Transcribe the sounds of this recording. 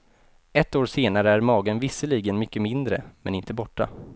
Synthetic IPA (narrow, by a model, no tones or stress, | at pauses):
ɛt̪ːoːɾseːnaɾəæɾmɑːɡənvɪsːəliːɡənmʏkːəmɪnd̪ɾə̰mɛ̰nɪnt̪əbɔʈːa̰